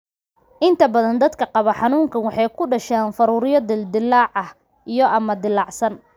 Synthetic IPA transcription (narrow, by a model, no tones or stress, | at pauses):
ʔɪnt̪ʰɐbɐðɐnd̪ɐd̪kʰɐqɑβɐħɑnuːŋkʰɐnwɑħɑjkʰʊɖɐʃaːnfɐɾuːɾɪjɐd̪ɪld̪ɪlːɑːʕɐh | ijɔʔɐmɐd̪ɪlːɑʕsɐn